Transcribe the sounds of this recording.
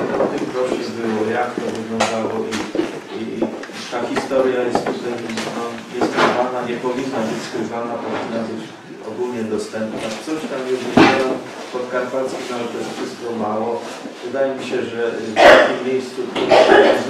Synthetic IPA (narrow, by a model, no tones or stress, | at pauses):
ɔft̪ɘmkɾɔʂɛbɘwɔjakt̪ɔvɘɡlɔ̃nd̪awɔʔi | i | t̪axʲist̪ɔɾjajɛst̪t̪ut̪ɛjnɔɲɛskɪvanaɲɛpɔvʲinːabɘt͡ɕskɾɨvanapɔvʲinːabɘt͡ɕ | ɔɡulɲɛd̪ɔst̪ɛmpnat̪sɔɕt̪amjɛuʐvʲid͡ʑawɛm | spɔt̪kaɾpalskʲinavɛt̪ɔjɛst̪fʂɘst̪kɔmawɔ | vɘd̪ajɛmʲiɕɛʐɛak̪ʲimːʲjejst̪sut̪u